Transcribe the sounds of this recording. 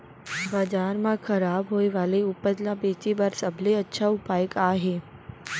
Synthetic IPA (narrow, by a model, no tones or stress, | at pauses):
baːd͡ʒaːɾmãkʰɐɾaːbɦoːeʋaːleʊpəd̪lãpeːt͡ʃebəɾsɐbʱleɐtːʃʰaʊpaːjəkaːɦeː